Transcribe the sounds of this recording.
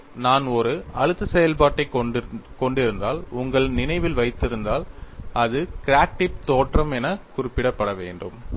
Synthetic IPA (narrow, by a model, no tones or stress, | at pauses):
naːnɔɾɯɐɻɯt̪ːɯsɛjɐlpaːʈːɐɪkɔɳɖɪɾɯnd̪a̰ːlʊŋɡɐɭnɪnɐɪʋɪlʋɐɪt̪ːɪɾɯnd̪aːlɐðɯkɪɾaːk̚ʈɪp̚t̪oːʈrɐmɛnɐkʊrɪpːɪɽɐpːɐɽɐʋeːɳɖɯm